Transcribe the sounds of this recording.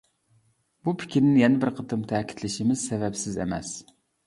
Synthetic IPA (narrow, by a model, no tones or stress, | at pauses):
b̥upʰɪ̥kʲʰiɾnɪjɛnɪbɪɾqʰət̪ʰɨmt̪ʰɛkʲʰi̥t̪ʰlɪʃɪmɪz̥sɛvɛpsɪzɛ̰mɛ̰s